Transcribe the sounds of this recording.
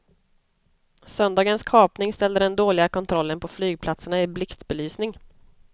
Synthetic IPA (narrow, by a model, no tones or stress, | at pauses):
sœnd̪ɑːɡənskʰɑːpnɪŋst̪ɛld̪əd̪ɛnd̪oːlɪɡakʰɔnt̪ʰɾɔlːənpʰɔflyːɡ̚pʰlat̪səɳaɪblɪkt̪bɛlyːsnɪŋ